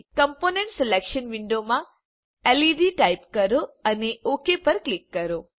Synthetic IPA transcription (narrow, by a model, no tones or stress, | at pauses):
kəmponeɳʈselekʃənʋiɳɖomã | eliɖiʈaipkəɾoəneʔokepəɾklikːəɾo